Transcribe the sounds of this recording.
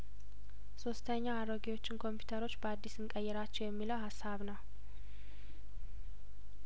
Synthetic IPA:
so̞st̪ʰəɲːaaɾoɡiwo̞t͡ʃːɪnkʰo̞mpʰju̥t̪ʰəɾo̞t͡ʃːbəad̪ːisɨŋkʼəjːɛɾat͡ʃːɛwjɛmːiləwhasːaβnəw

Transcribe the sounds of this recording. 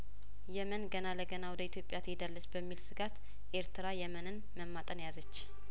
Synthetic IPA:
jɛmənɡənaləɡənawɔd̪əit̪ʰjo̞pʼːjat̪ʰəhid̪alːət͡ʃːbəmːilsɨɡat̪ | ʔe̞ɾt̪ʰɨɾajɛmənɨn | məmːat̪ʼənjazət͡ʃː

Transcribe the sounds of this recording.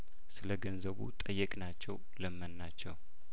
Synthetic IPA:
sɨləɡənzəβṵt̪ʼəjːəkʼnat͡ʃːɛw | ləmːənːat͡ʃːɛw

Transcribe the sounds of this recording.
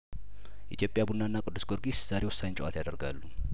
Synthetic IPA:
ʔḭt̪jo̞pʼjabunːanːakʼɨd̪ːɨsɡoɾɡisz̥aɾewɔsːaɲt͡ʃʼʔa̰t̪jad̪əɾɡa̰lːu

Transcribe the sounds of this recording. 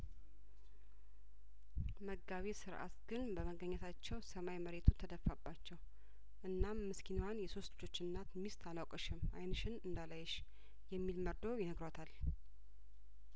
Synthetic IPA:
məɡaβisɨɾʔa̰t̪ɡɨnbəməɡəɲːɛt̪ʰat͡ʃːɛwsəmajməɾet̪ʰut̪ʰəd̪əfːabːat͡ʃːɛw | ʔɨnːamːɨskʰinwanjɛso̞st̪lɨd͡ʒo̞t͡ʃːɪnːat̪mist̪ʰalawkʼəʃɪmʔajnɨʃɪnɨnd̪alajɛʃ | jɛmːilməɾd̪ojɪnəɡɾat̪ʰal

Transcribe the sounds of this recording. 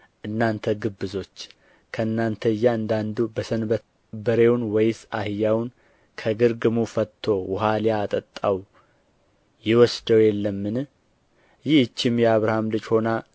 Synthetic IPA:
ʔɨnːant̪ʰəɡɨbːɨzo̞t͡ʃː | kʰəɨnːant̪ʰəɨjːaɨnd̪and̪ubəsənbə | bəɾe̞wnwɔjsahɨjːawn | kʰəɡɨɾɡɨmufət̪ʰːo̞wʊɦaljaːt̪ʼət̪ʼːaw | jɪwɔsd̪əwjɛlːəmːɨn | jɪhɨt͡ʃːɪmjɛaβɾahamlɨd͡ʒho̞na

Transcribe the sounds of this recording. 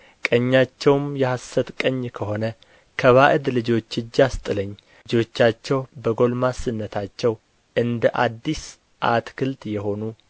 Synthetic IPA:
kʼəɲːat͡ʃːɛwmjɛhasət̪kʼəɲːkʰəho̞nə | kʰəβaʔɨd̪lɨd͡ʒo̞t͡ʃːɨd͡ʒːast̪ʼɨləɲː | d͡ʒo̞t͡ʃːat͡ʃːɛwbəɡo̞lmasɨnːət̪ʰat͡ʃːɛw | ʔɨnd̪əʔad̪ːis | ʔa̰t̪kʰɨlt̪jɛɦo̞nu

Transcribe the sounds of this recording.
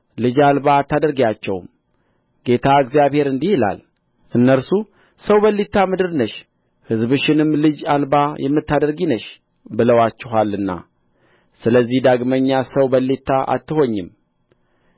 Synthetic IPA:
lɨd͡ʒalbat̪ːad̪əɾɡjat͡ʃːɛ̰wm | ɡe̞t̪ʰaɨɡzijaβhe̞ɾɨnd̪ihila̰l | ʔɨnːəɾsu | səwbəlːit̪ʰːamɨd̪ɨɾnəʃ | hɨzbɨʃɪnɨmlɨd͡ʒalbajɛmːɨt̪ːad̪əɾɡinəʃ | bɨləwat͡ʃːɪɦalɨnːa̰ | sɨləzːihd̪aɡməɲːasəwbəlːit̪ʰːaʔa̰t̪ːɨho̞ɲːɪm

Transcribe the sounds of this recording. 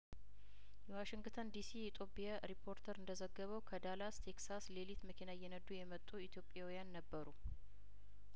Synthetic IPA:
jɛwaʃɪŋɡt̪ʰənd̪isiit̪ʰʼo̞pʼijaɾipʰːo̞ɾt̪ʰəɾɨnd̪əzəɡːəβəwkʰəd̪alast̪ʰeksaslelit̪məkʰinajːɛnəd̪ːujɛmət̪ʼːuit̪ʰjo̞pʼːjawijanːəbːəɾu

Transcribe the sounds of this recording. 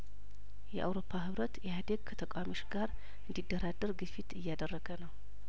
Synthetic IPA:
jɛ̰ʔa̰wɾo̞pʰːaɦɨβɾət̪jɛhad̪eɡkʰət̪ʰəkʼwamo̞t͡ʃɡaɾ | ɨnd̪id̪ːəɾad̪ːəɾɡɨfit̪ɨjːad̪ərːəɡənəw

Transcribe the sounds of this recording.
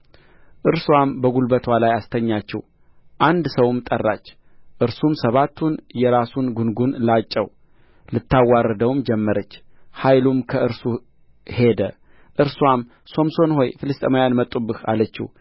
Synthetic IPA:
ʔɨɾswambəɡulbət̪ʰwalajast̪ʰəɲːat͡ʃːɛ̰w | ʔand̪səwmt̪ʼərːa̰t͡ʃː | ʔɨɾsumsəβat̪ʰːunjɛɾasunɡunɡunlat͡ʃʼːɛ̰w | lɨt̪ːawːarːəd̪əwmd͡ʒɛmːəɾət͡ʃː | hajlumkʰəɨɾsu | he̞d̪ə | ʔɨɾswam | so̞mso̞nho̞jfɨlɨst̪ʼəmajanmət̪ʼubɨha̰lət͡ʃːɪ̰w

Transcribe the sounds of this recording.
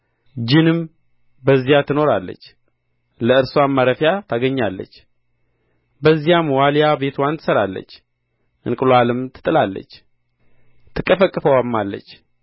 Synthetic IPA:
d͡ʒɪnɨm | bəzːijat̪ʰɨno̞ɾalːə̰t͡ʃː | ləɨɾsamːaɾəfjat̪ʰaɡəɲːalːə̰t͡ʃː | bəzːijamwaljabe̞t̪want̪ʰɨsəɾalːə̰t͡ʃː | ʔɨ̰nkʼɨlalɨmt̪ʰɨ̥t̪ʼɨlalːə̰t͡ʃː | t̪ʰɨkʼːəfəkʼːɨfəwamːalːə̰t͡ʃː

